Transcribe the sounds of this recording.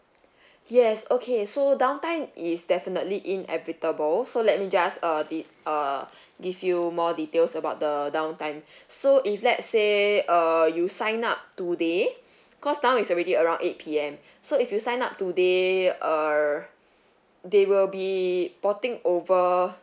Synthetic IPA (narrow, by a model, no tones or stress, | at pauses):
jɛsokʰesodãʊw̃ntãɪ̃mʔisdɛfinətliʔĩnʔɛ̰vitəbəlsolɛt̚mid͡ʒasʌdi | ʌ | ɡivjumɔditelsəbaʊt̚dədãʊ̃ntãɪ̃msoʔiflɛtseʌjusãɪ̃nap̚tude | kɔsdãʊw̃nitsɔɹediəɹãʊ̃nʔet̚pʰiɛ̃m | soifjusãɪ̃nap̚tudeʔʌ | dewilbipɔtɪ̃ŋovə